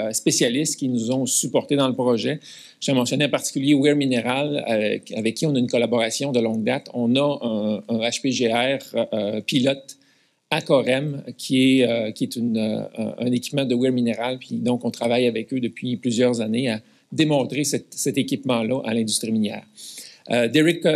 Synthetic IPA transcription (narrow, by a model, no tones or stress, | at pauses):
spesjalɪst̪kʲinuzɔ̃sypɔʁt̪ed̪ɑ̃ləpʁɔʒɛ | ʒ̥ɑ̃mɑ̃sjɔneɑ̃paʁt̪i̥kʲyljewɪʁmineʁalaavɛkʰʲːiɔ̃naynkɔlabɔʁasjɔ̃d̪əlɔ̃ɡ̚d̪at̪ɔ̃nʌɛ̃ə̃aʃpeʒeɛːʁpilɔt̪ | akɔʁɛmkʲʰiɛøkʲiɛt̪ynø̰ə̰̃nekʲi̥pmɑ̃d̪əwɪʁmineʁalpɥid̪ɔ̃kɔ̃t̪ʁavajavɛkød̪əpɥiplyzjœʁzanea | d̪emɔ̃t̪ʁesɛt̪sɛt̪ekʲipmɑ̃lʌʔa̰lɛ̃d̪yst̪ʁiminjɛ̰ːʁ | d̪eʁɪk